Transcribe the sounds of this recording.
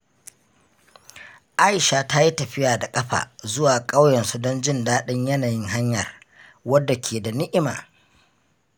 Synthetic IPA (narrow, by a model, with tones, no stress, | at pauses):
ʔa˦jʃa˨ta˦ji˦tɐ˨ɸɪ˦jaː˨da˨kʼɐ˦ɸa̰ː˨zʊ˦waː˨kʼa˦wjɐ˨nsu˦dɔ˦nd͡ʒɪ˦ndaː˦ɗɪ˦ɲjɐ˦naː˨jɪ˦ŋɦa˦ɲjɐ̰˨r | wɐ˦dːa˨kʲʰeː˨da˨nɪ˦ʔɪ˦ma̰ː˨